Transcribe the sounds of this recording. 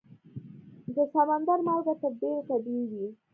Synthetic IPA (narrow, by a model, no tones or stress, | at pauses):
d̪əsamand̪aɾmɑlɡat̪əɾɖeɾt̪abiɡi